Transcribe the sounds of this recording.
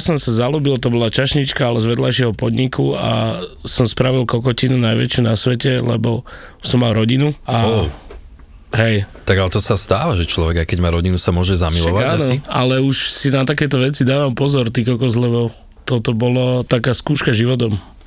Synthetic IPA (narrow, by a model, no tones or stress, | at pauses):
sɔmsazalubilt̪ɔbɔlat͡ʃaʃɲit͡ʃkaalɛzʋɛd̪lajʃɪɛɦɔpɔd̪ɲikua̰sɔmspɾaʋilˠkɔkɔcinunajʋɛ̰t͡ʃɪunasʋɛcɛlɛ̰bɔsɔmːalɾɔɟinua | ɦɛjt̪aɡalɛt̪ɔsast̪aːʋaʒɛt͡ʃlɔʋɛɡajkɛɟmaːɾɔɟinusamʊɔʒɛzamilɔʋaaːanɔialɛuʃsinat̪akɛjt̪ɔʋɛt͡sid̪aːʋampɔzɔɾt̪ikɔkɔzlɛbɔ | t̪ɔt̪ɔbɔlɔt̪akaːskuːʃkaʒiʋɔt̪ɔm